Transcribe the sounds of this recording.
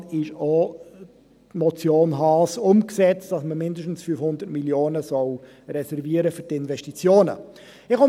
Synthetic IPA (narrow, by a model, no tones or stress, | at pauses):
ɪʃoː | tmɔt͡sjoːnɦɑːsʊmksɛt͡std̥ɑsməmɪndəʃtn̩sfyfhʊnd̪ətmiljoːnəsɔl | ɾɛsɛɾviəɾəfyɾtɪnvɛʃtit͡sjoːnə̰ | ɪχɔ